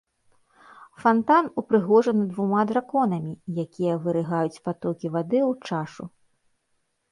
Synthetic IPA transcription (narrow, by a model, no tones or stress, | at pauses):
fant̪anupɾɨɣɔʐɐnɨd̪vumad̪ɾakɔnɐmʲijakʲijɐvɨɾɨɣajut͡sʲpat̪ɔkʲivad̪ɨwt͡ʂaʂu